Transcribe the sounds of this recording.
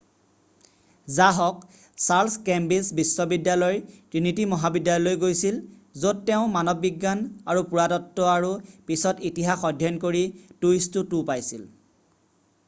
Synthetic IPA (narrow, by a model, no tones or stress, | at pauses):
zaɦɔk | saɹskɛmbisbisːɔbidjalɔjtɹinitimɔɦabidjalɔlojɡojsilzod̚tɛʊ̃manɔbːiɡːanaɹupuɹadɔtːɔaɹupisɔtitiɦaxɔdʱjɔnkoɹitujstutupajsil